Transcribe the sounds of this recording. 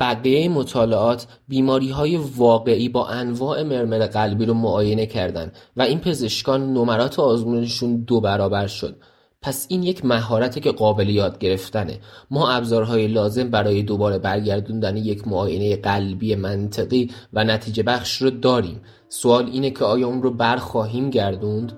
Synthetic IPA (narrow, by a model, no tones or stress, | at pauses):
b̥æɣijejemot̪ʰɒːle̞ʔɒːt̪ʰ | biːmɒːɾiːɦɒːje̞vɒːɣe̞ʔiːbɒːʔænvɒːʔe̞me̞ɾme̞ɾeɣælbiːɾomoʔɒːje̞ne̞cʰæɾd̪æ̰nvæiːnpʰe̞ze̞ʃkɒːnːo̞mæɾɒːt̪ʰeɒːzmuːneʃund̪obæɾɒːbæɾʃo̞̰d̪̥̚ | pʰæsiːnje̞cʰmæɦɒːɾæt̪ʰice̞ɢɒːbe̞le̞jɒːd̪̚ɟe̞ɾe̞ft̪æne̞̰mɒːʔæbzɒːɾɦɒːjelɒːze̞mbæɾɒːje̞d̪obɒːɾe̞bæɾɟæɾd̪und̪ænejecʰmoɒːje̞ne̞jeɢælbiːjemænt̪ʰeɣiːvænæt̪ʰiːd͡ʒe̞bæχʃrod̪ɒːɾḭːm | soɒːliːnecʰeɒːjɒːunrobæɾxɒːɦiːmɟæɾd̪und̪